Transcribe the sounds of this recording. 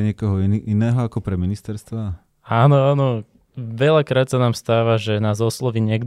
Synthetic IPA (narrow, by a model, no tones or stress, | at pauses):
ɲɪɛkɔɦɔʔinɛːɦɔakɔpɾɛminist̪ɛɾst̪ʋa | aːnɔaːnɔ | ʋɛʎakɾaːt̪sanaːmst̪aːʋaʒɛnaːzɔslɔʋiɲɛɡd̪